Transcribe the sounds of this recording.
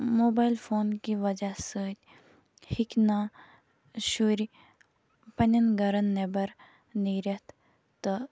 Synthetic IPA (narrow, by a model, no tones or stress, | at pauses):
moːbaːjlfʰoːnkiʋɐd͡ʒasəːt̪ʲ | hikna | ʃuɾi | pɐnʲɐnɡɐɾɐnːebɐɾ | niːɾɐt̪ | t̪ɐ